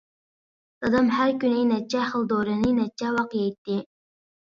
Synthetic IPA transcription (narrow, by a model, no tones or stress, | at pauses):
sɑd̪ɑmhæɾkʲynejnɛt͡ʃʰːɛχəlˠd̪oɾɨnɪnɛt͡ʃʰːɛwɑqjɛjt̪ːɪ